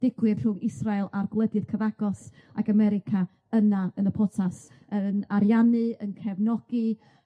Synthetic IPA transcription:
d̥ɪɡwɨr̥ʊŋɪsrajlˠarɡlˠədɨð̥kʰəvaɡ̥ɔs | a̰ɡamɛɾɪkʰa | ənaənəpʰɔtʰas | ənaɾjanɨənkʰɛvnɔɡ̥ɨ

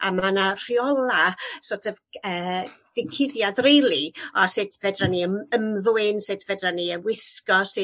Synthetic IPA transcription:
amanar̥iɔlˠasotʰɛvəːd̥ɪkʰɪðjadrejlˠiɔsɨdʰvɛdraniəməmðuɨnsɨdvɛdraniənwɪskɔsɪ

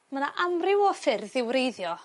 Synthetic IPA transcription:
manaʔamrɪwɔfɪrðɪwɾejðjɔ

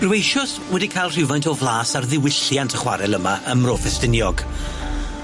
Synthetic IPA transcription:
rwejʃɔs | wɛdikʰajlˠr̥ɪwvajntʰɔvlˠaːsarðɪwɪɬjantʰəχwa̰ɾɛlˠəmaʔəmroːfɛstɪnjɔɡ

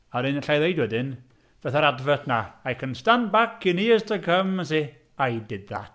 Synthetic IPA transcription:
aɾɪnɬajðejdwɛdɪn | v̥ɛθaɾadvətnaajkʰənstanbakʰiniəztʰəkʰəməsi | ajdɪd̚ða̰t

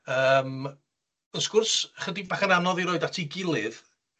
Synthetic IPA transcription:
əːm | ənskʊrsχədibaχənanɔðiɾoːɨdatʰiɡɪlˠɨð

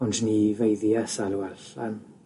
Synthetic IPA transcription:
ʊndnivejðjasalwɛlɬan

